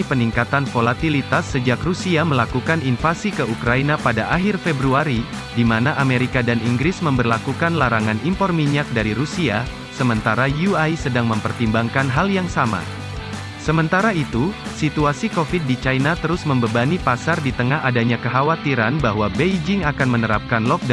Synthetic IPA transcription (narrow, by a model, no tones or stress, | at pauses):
ipəniŋkat̪anfolat̪ilit̪asːəd͡ʒakrusiaməlakukaninfasikəukɾainapadaʔaɦɪrfebɾuaɾi | dimanaʔameɾikadaniŋɡɾɪsməmbərlakukanlaɾaŋanimpɔrmiɲak̚daɾiɾusia | səmənt̪aɾajuajsədaŋməmpərt̪imbaŋkanɦaljaŋsama̰ | səmənt̪aɾait̪usit̪uasikofit̚dit͡ʃainat̪əɾʊsməmbəbanipasardit̪əŋaɦadaɲakəɦawat̪iɾanbaɦwabejd͡ʒɪŋakanmənəɾap̚kanlɔk̚d